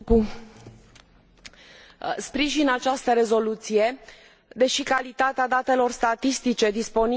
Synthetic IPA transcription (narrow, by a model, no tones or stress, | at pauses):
u | spɾiʒinat͡ʃast̪əɾe̞zo̞lut̪sije̞ | d̪e̞ʃikalit̪at̪ead̪at̪e̞lo̞rst̪at̪ist̪it͡ʃe̞d̪ispo̞n